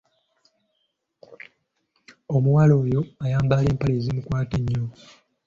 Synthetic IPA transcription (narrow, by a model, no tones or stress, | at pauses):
o̞muwalo̞ːjo̞ajaːmbale̞ːmpaleːzimukwaːteɲːo̞